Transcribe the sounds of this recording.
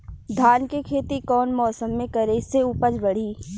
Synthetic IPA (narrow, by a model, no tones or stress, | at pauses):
d̪ʱaːnkekʰeːt̪ikɔːnmɔːsəmːẽkɐɾeseʊpəd͡ʒbɐɽ̤iː